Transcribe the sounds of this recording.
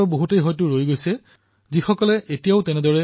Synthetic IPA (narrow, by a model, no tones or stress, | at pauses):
ɹboɦutejɦɔjtʊɹojɡojsɛ | zixɔkɔlɛʔetijaʊtɛnɛdɔɹɛ